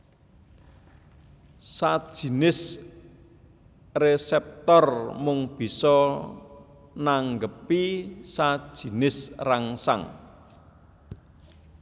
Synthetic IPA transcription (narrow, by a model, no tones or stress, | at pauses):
sad̥ʒ̥i̤nɪs | resɛp̚t̪ɔrmʊŋb̥i̤sɔ | naŋɡəpisad̥ʒ̥i̤nɪsraŋsa̰ŋ